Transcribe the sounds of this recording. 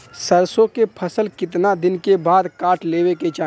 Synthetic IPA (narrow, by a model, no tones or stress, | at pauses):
səɾsõkepʰəsəlkɪt̪̬nad̪ɪnkebaːd̪kaːʈʰleːweket͡ʃaː